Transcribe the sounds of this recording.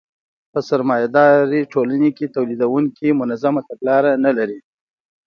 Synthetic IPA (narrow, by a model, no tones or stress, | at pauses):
pəsaɾmɑjad̪ɑɾiʈʰolaneket̪awlid̪awuŋkimʊnazamat̪aɡlɑɾanalaɾi